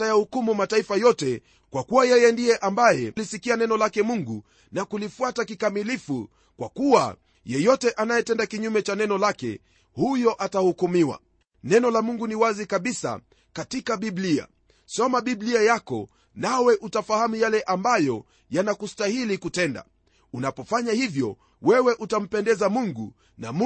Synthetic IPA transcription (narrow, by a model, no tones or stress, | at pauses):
ajahukumumataifajɔtɛ | kwakuwajɛjɛndijɛʔambajɛlisikianɛnɔlakɛmuŋɡu | nakulifuatakikamilifu | kwa̰kuwa̰ | jɛjɔtɛʔanajɛtɛndakiɲumɛt͡ʃanɛnɔlakɛ̰ | hujɔʔatahukumiwa̰ | nɛnɔlamuŋɡuniwazikaɓisa̰ | katikaɓiblia̰ | sɔmaɓibliajakɔ̰ | nawɛʔutafahamujalɛʔambajɔ | janakustahilikutɛnda̰ | unapɔfaɲahivjɔ | wɛwɛʔutam̩pɛndɛzamuŋɡṵ | na̰m